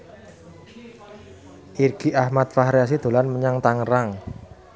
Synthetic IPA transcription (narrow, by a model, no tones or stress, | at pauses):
ʔirɡ̥iʔahmat̪̚faɦɾjas̬id̪̥o̤lanməɲaŋt̪aŋəɾaŋ